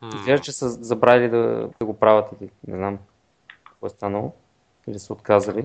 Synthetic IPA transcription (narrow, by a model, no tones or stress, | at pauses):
izvʲaʒt͡ʃɛsəzɐbɾalid̪ɐ̰d̪ɐɡopɾavɐt̪ilinɛ̰znam | kɔjst̪anəlˠo | ilisɛot̪kazɐli